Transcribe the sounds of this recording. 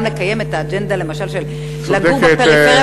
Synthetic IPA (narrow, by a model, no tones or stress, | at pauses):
mle̞kaje̞met̪aːd͡ʒend̪ale̞maʃalʃel | slaɡd̪eumet